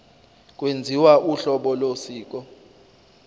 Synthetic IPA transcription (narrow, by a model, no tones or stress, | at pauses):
k̬ʼwend͡zʱiwaʔuɬɔɓɔlosiːk̬ʼɔ